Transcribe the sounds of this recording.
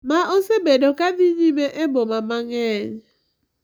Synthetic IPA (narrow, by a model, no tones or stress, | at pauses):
maʔosebedokad̪iɲimeʔebomamaŋɛɲ